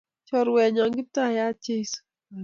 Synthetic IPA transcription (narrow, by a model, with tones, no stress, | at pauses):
t͡ʃɔ˦˨ɾwɛ˨ɲa˨ŋɡɪ˦p̚ta˦˨ja˦t͡ʃe˦s